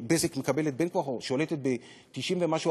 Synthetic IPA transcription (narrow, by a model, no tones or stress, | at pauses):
bezikmekabelet̪̚benkwaxoʃolet̪et̪̚be | t̪iʃimvemaʃu